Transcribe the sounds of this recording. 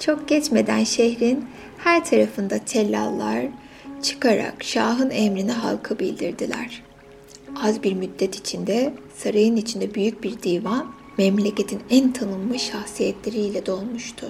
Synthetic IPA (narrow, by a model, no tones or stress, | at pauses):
t͡ʃʰo̞k̚ɟ̥ɛt͡ʃme̞d̪æ̰nʃehɾin | hæɾt̪ʰaɾafɯnd̪at̪ʰelʲːa̰lˠːaɾ̥ | t͡ʃʰɯ̥kaɾa̰kʃaːɦɯnɛmɾiniɦa̰lˠkʰɯbilʲd̪iɾd̪ilʲæ̰ɾ̥ | azbiɾmyd̪ːɛt̪ʰi̥t͡ʃʰind̪ɛsaɾajɯnit͡ʃʰind̪ɛbyjyc̚biɾd̪iːvan | mɛmlʲece̞t̪ʰinænt̪ʰanɯmːɯʃaxsijɛt̪ʰlʲe̞ɾiːlʲɛd̪o̞lˠmuʃt̪ʰʊ